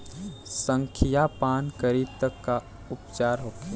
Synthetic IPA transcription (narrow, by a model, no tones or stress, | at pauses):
sə̃ŋkʰijapaːnkəɾiːb̚t̪əkːa | ʊpt͡ʃaːɾɦoːke